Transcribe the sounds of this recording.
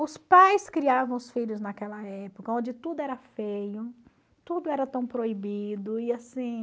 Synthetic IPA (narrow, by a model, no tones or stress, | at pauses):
ʊspajskɾiavɐ̃w̃ʊsfiʎʊznakɛlɐɛpokɐõd͡ʒɪt̪ud̪ʊɛɾɐfejʊ | t̪ud̪ʊɛɾɐt̪ɐ̃w̃pɾoibid̪ʊɪasĩ